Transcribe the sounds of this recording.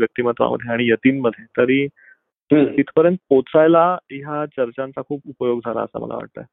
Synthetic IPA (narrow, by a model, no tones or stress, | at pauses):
jək̚t̪imət̪ʋa̰mə̰d̪ʱːjeaɽ̃ijət̪iːnməd̪ʱːjet̪əɾiː | it̪ʰpəɾjənt̪̚pot͡sajlaiɦat͡ɕəɾt͡ɕãnt͡sakʰuːpupəjoɡd͡zʱala̰əsa̰mə̰lʔa̰ʋa̰ʈ̚t̪a̰ɛ